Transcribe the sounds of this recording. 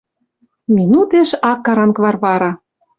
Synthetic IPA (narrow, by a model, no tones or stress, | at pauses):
mʲinut̪eʃɑkːɑɾɑnkβɑrβɑɾɑ